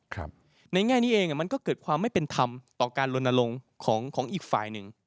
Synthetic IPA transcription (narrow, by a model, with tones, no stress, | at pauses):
kʰɾa̰˦˥p̚ | na˧jŋɛː˥˩jniː˦˥ʔeː˧ŋʔa˨˩ma˧nkɔː˥˩kɤː˨˩kʰwaː˧mːa˥˩jpe˧nt̪ʰa˧mt̪ɔː˨˩kaː˧nlo˧nːa˧lo˧ŋkʰɔː˩˦ŋkʰɔː˩˦ŋʔiː˨˩k̚fa̰ː˨˩jnɯ˨˩ŋ